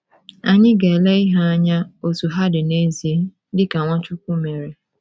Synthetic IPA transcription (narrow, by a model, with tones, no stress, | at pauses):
a˨ɲɪ˦ɡe˨e˨le˦ɪ˦ɦa˦a˦ɲa˦o˨tu˨ɦa˦dɪ˨ne˦zi˨e˦dɪ˦ka˨ŋʷa˦t͡ʃu˦kʷu˦me˨ɾe˨